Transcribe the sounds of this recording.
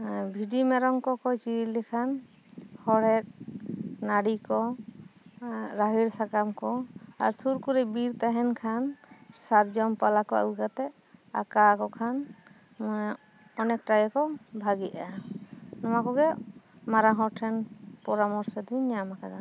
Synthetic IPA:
bʱiɖimɛɾɔŋkɔkɔt͡ʃilikʰan | hɔɽɛk̚naɽikɔ | ɾaɦiɾsakamkɔa̰ɾsuɾkuɾɛbiɾt̪aɦɛnkʰansaɾd͡ʒɔmpalakɔa̰wuɡat̪ɛ | a̰kakɔkʰan | mɔ | ɔnɛk̚ʈaɡɛkɔbʱaɡiʔa | nɔmakɔɡɛ | maɾaɦɔɾʈʰɛnpɔɾamɔɾsɔd̪iɲamakad̪a

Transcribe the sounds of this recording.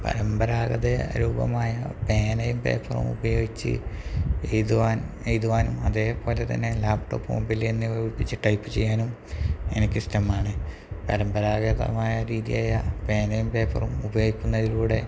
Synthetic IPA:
pɐ̰ɾɐmbɐɾaːɡɐðeɐ̰ɾuːbɐ̰maːjɐpe̞ːnɐjumpe̞̰ːfʰɐrɐ̰mṵbɐjo̞ːɡit͡ɕːɨ̰ejðuʋaːn | ejðuʋaːnumɐðe̞ːpo̞ːle̞t̪ɐ̰nːe̞laːpʈo̰ːpːo̰ːmbilenːɨɐɡipːit͡ɕːɨʈɐjpːɨt͡ɕe̞jːaːnum | e̞nikʲːɨstɐmaːɳɨ | pɐɾɐmbɐɾaːɣɐðɐ̰maːjɐɾiːðijaːjɐpe̞ːnɐjumpe̞ːfʰɐ̰rɐmubɐjoːɡikʲːunːɐðiluːɽe̞

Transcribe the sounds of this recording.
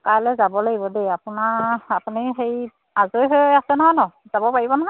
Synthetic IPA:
kaɹlɛzabɔlaɡibɔdejapʊnaapuniɦej | azojɦojasɛnɔɦɔjnɔz̥abɔpaɹibɔnɔɦɔj

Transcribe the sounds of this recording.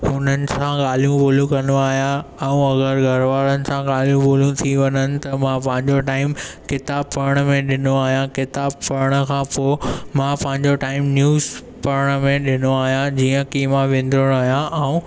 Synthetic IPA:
ɦʊn̤ənɪ̆sãɠaːl̤ijũboːlũkɐnoaːɦijãɛũɐɡəɾɡʱɐɾʋaːɾənɪ̆sãɠaːlijũboːljũt̪ʰiʋɐɲənɪ̆t̪ɐmãpɐ̃ɦɪ̃ɲd͡ʑoʈaːɪmkɪt̪aːb̚pɐɾəɽ̃mẽɗɪnoaːɦijãkɪt̪aːb̚pɐɾəɽ̃ə̆kʰãːpomãpɐ̃ɦɪ̃ɲ̆d͡ʑoʈaːɪmnjuːz | pɐɾəɽ̃mẽɗɪnoaːɦijãd͡ʑiːə̃kiːmaʋẽn̆d̪ʱɾəɽ̃aːɦijãʔɛũ

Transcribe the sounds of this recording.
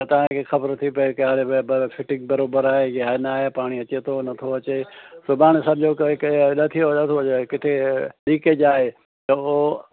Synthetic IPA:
t̪ɐʋ̤ãkʰexɐbəɾt̪ʰipɐekːɽebbfʰɪʈɪ̃ŋɡ̚bɐɾoːbəɾaːɦeɡaːnaːɦepaːɽ̃iɐt͡ɕet̪ʰonɐt̪ʰoɐt͡ɕesobaːɽ̃sɐb̚d͡ʑokknɐt̪ʰijonɐt̪ʰoekɪʈʰeɗiːked͡ʑaːɦe | t̪ɐo

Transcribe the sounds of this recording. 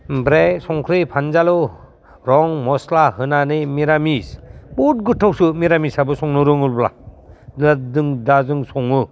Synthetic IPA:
bɾesɔŋkʰɾipʰanzalɯ | ɾɔŋmɔslahɯnanɯmiɾamisput̚ɡɯtʰːawsɯmiɾamisabɯsɔŋnɯɾɯŋɯlbla̰dɯdɯŋdazɯŋsɔŋɯ

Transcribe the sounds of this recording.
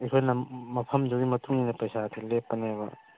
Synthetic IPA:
ekʰojnɐmɐpʰɐmd͡ʒoɡimɐtuŋinɐpɐjsatʰelepːɐnebɐ

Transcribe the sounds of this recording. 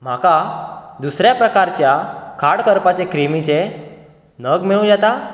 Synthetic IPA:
m̤akad̪usɾjapɾəkaɾt͡ɕjakʰaɽkəɾpat͡ɕekɾimit͡ɕe | nəɡmiɭũd͡zat̪a

